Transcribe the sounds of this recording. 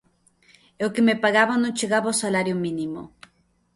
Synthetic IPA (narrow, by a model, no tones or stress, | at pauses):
ewkemepaɣaβanot͡ʃeɣaβaosalaɾjominimo̰